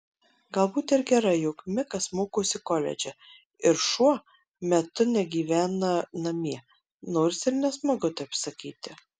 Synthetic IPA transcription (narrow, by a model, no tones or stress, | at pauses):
ɡɐlˠbuːt̪ʲɪɾɡʲɛɾɐjʊkmʲɪkɐsmoːkoːsʲɪkɔːlʲɛ̰d͡ʒʲɛ | ɪɾʃuɔ | mʲɛt̪ʊnʲɛɡʲiːʋʲæːnɐnɐmʲiɛ | noːɾʲsɪɾnʲɛsmɐɡʊt̪ɐɪpsɐkʲiːt̪ʲɪ